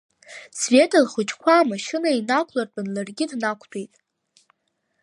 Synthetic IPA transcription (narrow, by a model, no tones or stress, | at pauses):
sve̞tʰalχʊt͡ʃʰʼkʷʰaːmaʃɨnainakʷʰlart͡pʼanlarɡʲɪdnakʷʰtʷʰʼejtʼ